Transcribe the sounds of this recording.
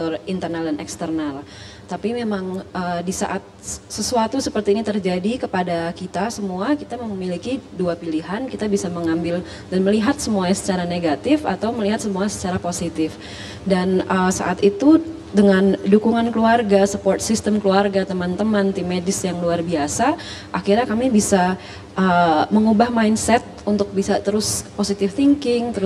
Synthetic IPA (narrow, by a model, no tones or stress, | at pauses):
t̪ɔrint̪ərnaldanʔɛ̰kst̪ərnal | t̪apimemaŋʔədisa̰ʔat̪̚səsuat̪usəpərt̪iːnit̪ərd͡ʒadikəpadakit̪asəmuakit̪aməmilikiduapiliɦankit̪abisaməŋambɪl | danməliɦat̪səmuaɲsə̥t͡ʃaɾaneɡat̪ɪfa̰t̪awməliɦat̪səmuasə̥t͡ʃaɾaposit̪ɪf | danʔəsa̰ʔat̪it̪u | dəŋandukuŋankluarɡasəpɔrt̪̚sist̪əmkluarɡat̪əmant̪əmant̪imedɪsjaŋluarbiasa | ʔakirɲakamibisa | ʔəməŋubahmainsɛt̪̚unt̪ʊk̚bisat̪əɾʊsposit̪ɪft̪iŋkɪŋt̪əɾʊ